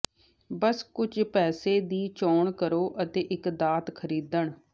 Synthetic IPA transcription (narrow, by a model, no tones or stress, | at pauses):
bəskʊd͡ʒpɛːseːd̪iːt͡ʃɔːɳkəɾoːʔət̪eːʔɪkd̪aːt̪kʰəɾiːd̪əɳ